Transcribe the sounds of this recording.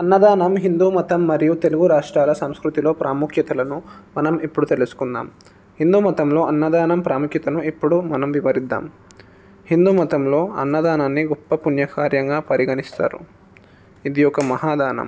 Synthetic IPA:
ɐnːɐd̪aːnɐmɦind̪uːmɐt̪ɐmːɐɾijut̪e̞luɡuɾaːʂʈɾaːlɐsɐmskɾut̪ilo̞ːpɾʔaːmukʰjɐt̪ɐlɐnumɐnɐmepːuɽut̪elusu̥kund̪a̰ːm | hind̪uːmɐt̪ɐmlo̞ːɐnːɐd̪aːnɐmpɾaːmukʰjɐt̪ɐnuepːuɽumɐnɐmʋiʋɐɾid̪ːa̰ːm | hind̪uːmɐt̪ɐmlo̞ːɐ̰nːɐd̪aːnaːnːiɡɔpːɐpunjɐkaːɾjɐŋɡaːpɐɾiɡɐnist̪a̰ːɾṵ | id̪ijɔkɐmɐɦaːd̪aːnɐ̰m

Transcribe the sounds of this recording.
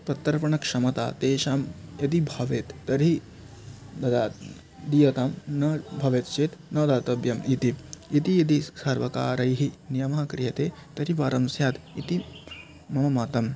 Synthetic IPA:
pɐt̪ːɐɾpɐɳɐkʂɐmɐt̪a̰ːt̪eːʃaːmjɐd̪ibʱɐʋeːt̪ːɐɾi | d̪ɐd̪aː | d̪ijɐt̪aːmnɐbʱɐʋeːt̪t͡ʃeːt̪nɐːd̪aːt̪ɐbjɐmit̪iit̪ijid̪̬isaːɾʋɐka̰ːɾɐjɦinijɐmɐɦɐkɾijɐt̪eːt̪ɐɾiʋaːɾɐmsjaːt̪it̪i | mɐmɐmaːt̪ɐm

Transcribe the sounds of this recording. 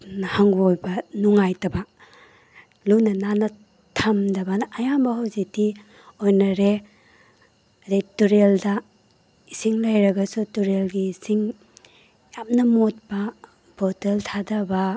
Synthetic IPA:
nɐhaŋɡojbɐnuŋajtɐbɐ | lunɐnanɐ | tʰɐmdɐbɐnaɐjambɐhowziti | ojnɐɾe | dejtuɾeldɐ | isiŋlɐjɾɐɡɐsutuɾelɡiːsiŋ | jamnɐmot̚bɐ | boteltʰadɐbɐ

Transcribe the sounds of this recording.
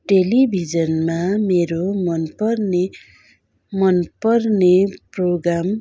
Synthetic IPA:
ʈelibʱid͡zʌnmameɾomʌnpʌrne | mʌnpʌrneproɡɾam

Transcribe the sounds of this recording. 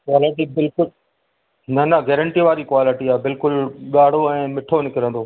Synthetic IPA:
kwaːlɪʈibɪlkʊl | nɐnɐɡɛːɾə̃ɳʈiʋaːɾikwaːlɪʈiaːbɪlkʊlɠaːɽ̤oɛ̃ːmɪʈʰonɪkɪɾə̃nd̪oː

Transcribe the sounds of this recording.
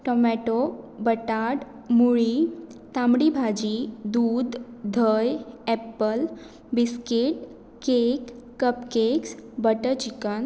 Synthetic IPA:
ʈɔmɛʈobəʈaɖ | muɭi | t̪amɽibʱad͡ʑid̪uːd̪ʱd̪ʱəjɛpəl | biskiʈ | kekkːəpkeksbəʈəɾt͡ɕikən

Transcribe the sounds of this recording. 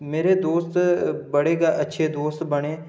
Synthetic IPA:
meːɾed̪oːst̪bɐɽeɡaʔɐtːʃʰed̪oːst̪bɐɽ̃ẽː

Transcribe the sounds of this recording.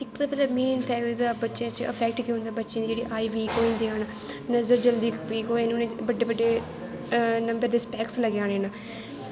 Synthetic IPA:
ɪkd̪aːpɛlaːmeːnpʰɛːʋid̪aːbətːʃãːt͡ʃə̰pʰɛːk̚ʈkiːɦʊ̃nd̪aːbətːʃãːd̪id͡ʒeːɽḭːʔaːiːʋiːkoːind̪iːaːnaː | nəzəɾd͡ʒəld̪iːkpiːkoːĩnʊnẽːt͡ʃbəɖːeːbəɖːeː | nəmbəɾd̪eːspɛːksləɡãːnẽːnaː

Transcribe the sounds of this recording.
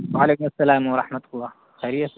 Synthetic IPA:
wʕaleːkʊmasːalaːmwɑɾˤɑħmat̪lˤːɑː | xaɾɪjas

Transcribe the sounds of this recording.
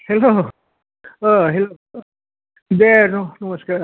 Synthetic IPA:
heloː | ɦelo | d̪enɐnɐmɐskaɾ

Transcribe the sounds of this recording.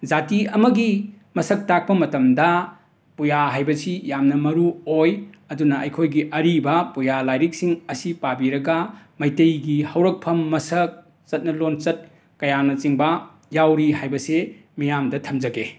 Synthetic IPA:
d͡ʒatiɐmɐɡi | mɐsɐk̚tak̚pɐmɐtɐmdɐ | pujaɦajbɐsijamnɐmɐɾuoj | ɐdunɐʔɐjkʰojɡiʔɐɾibɐpujalajɾik̚siŋɐsipabiɾɐɡɐmɐjtɐjɡihɐwɾɐk̚pʰɐmːɐsɐk̚ | t͡ʃɐt̚nɐlont͡ʃɐt̚ | kɐjanɐt͡ʃiŋbɐ | jawɾiɦajbɐsemijamdɐtʰɐmd͡ʒɐɡe

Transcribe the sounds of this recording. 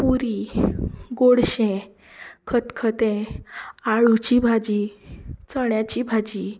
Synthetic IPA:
puɾi | ɡoɽɕɛ̃ | kʰət̪kʰət̪ẽ | aɭut͡ɕibʱad͡ʑit͡səɳjat͡ɕibʱad͡ʑi

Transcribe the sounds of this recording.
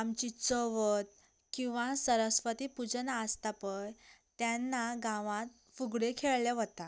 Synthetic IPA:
amt͡ɕit͡səʋət̪̚ | kĩw̃ʋasəɾəsfət̪ipud͡znaəst̪apəjt̪janːaɡãʋãt̪̚ | fuɡɽekʰeɭleʋət̪a

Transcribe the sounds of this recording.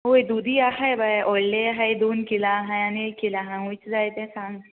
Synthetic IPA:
ɦojd̪ud̪ʱiaɦajbʱajʔɔlleaɦajd̪onkilaɦajaniekːilaɦãɦũjt͡sd͡zajt̪ẽsãŋɡ

